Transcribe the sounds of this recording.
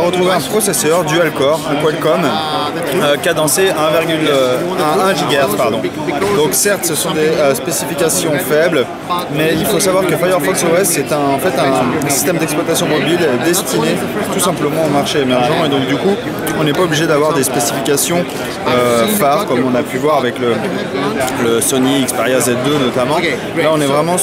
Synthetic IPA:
aʁət̪χuveɛ̃pχɔsesœʁd̪yalkɔʁɛ̃kwalkɔm | økʲad̪ɑ̃seɛ̃viʁɡʲylɛ̃ɛ̃ʒiɡaʁpaʁd̪ɔ̃ | d̪ɔ̃ksɛʁt̪səsɔ̃d̪eøspesifikʲasjɔ̃fɛbl | mɛilfosavwaʁkəfajœʁfɔksoɛsːɛt̪ɛ̃ːfɛt̪ɛ̃ssi̥st̪ɛmd̪ɛksplwat̪asjɔ̃mɔbild̪ɛst̪ine | t̪usɛ̃pləmɑ̃omaʁʃeːmɛʁʒɑ̃ed̪ɔ̃k̚d̪yku | ɔ̃nɛpaɔbliʒed̪avwaʁd̪espesifikʲasjɔ̃ | øfaʁkɔmɔ̃napyvwaʁavɛklə | ləsɔniikspɛʁjazɛd̪ønɔt̪amɑ̃ | laɔ̃nɛvʁɛmɑ̃

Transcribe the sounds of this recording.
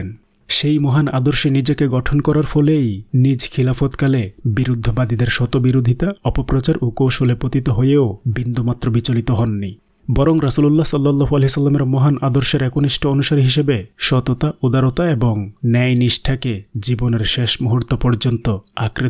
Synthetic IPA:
n | ʃejmɔɦanad̪oɾʃenid͡ʑekeɡɔʈʰonkɔɾaɾfʰɔlejnid͡ʑkʰilafot̪kalebiɾud̪ʱːobad̪id̪eɾʃɔt̪obiɾod̪ʱit̪aɔpopɾɔt͡ɕaɾʔokowʃolepot̪it̪oɦojeobind̪umat̪ːɾobit͡ɕolit̪oɦɔnːi | bɔɾoŋɾasululːasɔlːɔlːaɦoaleɦisɔlːameɾmɔɦanʔad̪oɾʃeɾɛkoniʃʈʰoonuʃaɾiɦiʃebeʃɔt̪ot̪aod̪aɾot̪aeboŋnɛjniʃʈʰaked͡ʑiboneɾʃeʃmuɦuɾt̪ːopɔɾd͡ʑont̪oakɾe

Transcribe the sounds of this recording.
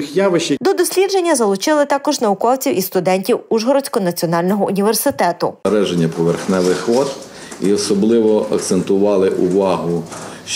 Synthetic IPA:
xjaʋɪʃid̪ɔd̪ɔsʲlʲidd͡ʒe̞nʲːɐzɐlˠʊt͡ʃɪlˠɪt̪ɑkɔʒnɐʊkɔwt͡sʲiwʔist̪ʊd̪ɛnʲtʲiwuʒɦɔɾɔt͡sʲkɔnɐt͡sʲiɔnɑlʲnɔɦɔʔʊnʲiʋersɪt̪ɛt̪ʊɐɾɛʒenʲːɐpɔʋerxnɛʋɪxʋɔt̪ | iɔsɔblˠɪʋɔɐ̰k̚t̪sent̪ʊʋɑlˠɪʔʊʋɑɦʊ

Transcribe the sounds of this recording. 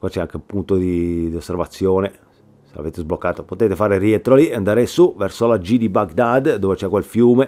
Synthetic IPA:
kwat͡ʃːɛaŋkeumpunt̪od̪id̪iosːervat̪sːjoːne | sela̰veːt̪ezblokːaːt̪opot̪eːt̪efaːɾeriɛnt̪ɾoliand̪aːɾesuvɛrsolad͡ʒid̪ibaɡd̪ad̪d̪oːvet͡ʃɛkːwelfjuːme

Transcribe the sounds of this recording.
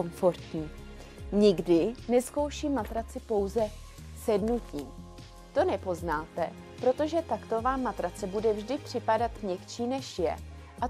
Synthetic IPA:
oɱfo̞ɾt̪ɲiː | ɲɪɡdɪnɛsko̞wʃiːmːat̪ɾat͡sɪpo̞wzɛ | sjɛdnuciːm | t̪o̞nɛpo̞znaːt̪ɛ̰ | pɾo̞t̪o̞ʒɛt̪akt̪o̞vaːmat̪ɾat͡sɛbudɛvʒdɪpr̥ɪpadat̪vɲɛkt͡ʃiːnɛʃjɛ̰ | ʔa

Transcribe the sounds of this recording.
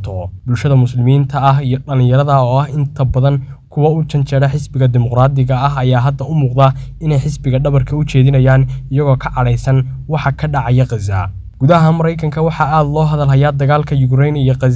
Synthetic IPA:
t̪ʰɔbʊlʃɐðɐmʊslɪmiːnt̪ʰɐɐɦijɞɖɐlɪ̃njɐɾɐðɐɔːɐhɪnt̪ʰɐbɐðɐnkʰʊwɐʊt͡ʃʰɐnt͡ʃɛɽɐħɪsbɪɣɐd̪ɪmʊqraːd̪ɪɣɐːɦɐjaːɦɐd̪ɐʊmuːqd̪ɐɪnɛjħɪsbɪɣɐɖɐβɐrkʰɐʊt͡ʃʰɛːðɪnɐjaːnɪjɐɣɔːkʰɐʕɑɽɛjsɐnwɑħɑkʰɐɖɑʕɑjɐqɑza̰ː | ɡ̥ʊðɐɦɐnmɐɾɛjkʰɐŋkʰɐwɑħɑaːd̪lɔːɦɐðɐlɦɐjaːd̪ɐɣaːlkʰɐjʊɡɾɛjnijɔqɑz

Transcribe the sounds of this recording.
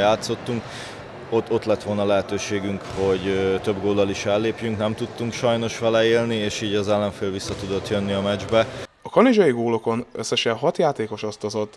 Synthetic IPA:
jaːt̪so̞t̪ːuŋk | ot̪o̞t̪lɛt̪ʋo̞lnɒlɛɦɛt̪øːʃeːɡyŋkho̞ɟt̪øbɡoːld̪ɒliʃfɛlːeːpjyŋknɛmt̪ut̪ːuŋkʃɒjno̞ʃfɛlɛeːlnieːʃiːɟɒzɛlːɛɱfeːlvisːɒt̪ud̪o̞t̪jønːiɒmɛd͡ʒbɛɒkɒnid͡ʒɒjiɡoːlo̞ko̞nø̰sːɛʃɛɦɒt̪jaːt̪eːko̞ʃost̪ozo̞t̪ː

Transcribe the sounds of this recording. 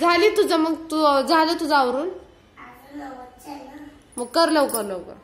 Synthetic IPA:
d͡zʱalit̪ud͡zaməɡt̪ud͡zʱalət̪ud͡zaaʋɾuːn | məɡ̚kəɾləwkəɾləʋkə̰ɾ

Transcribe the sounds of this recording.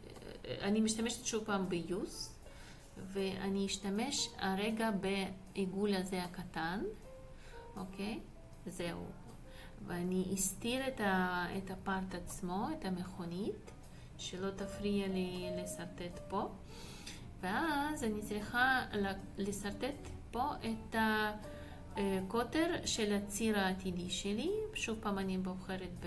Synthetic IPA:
animiʃt̪ameʃt̪ʃuvpaːmbejus | veʔa̰niːʃt̪ameʃaɾeɡabe | eɡulazeakat̪an | okʰej | zeṵ | veaniʔːst̪iɾet̪aet̪apaɾt̪at͡smo̞et̪ameχonit̪ | ʃelo̞t̪afɾijalilesaɾt̪et̪po | veazanit͡sɾiχallesaɾt̪et̪ | po̞ʔet̪a | kot̪eɾʃelat͡siɾaːt̪id̪iʃeliʃuvpaːmaniboχeɾet̪̚b

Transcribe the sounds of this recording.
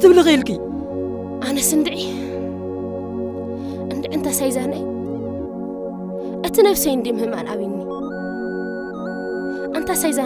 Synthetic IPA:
t̪ʰɨβlɨxelkʼɨ | ʔanɐsɨnd̪ɨʕi | ʔɨnd̪ɨʕɨnt̪ʰasajzanɐj | ʔɨt̪ʰinɐβsɐjnd̪imhɨmʔa̰laβinːi | ʔɨnt̪ʰasajza

